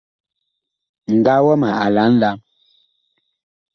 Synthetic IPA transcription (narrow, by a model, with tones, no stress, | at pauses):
ŋ̩˨ɡa˦wɔ˦ma˨a˨la˨˦n̩˦la˨˦m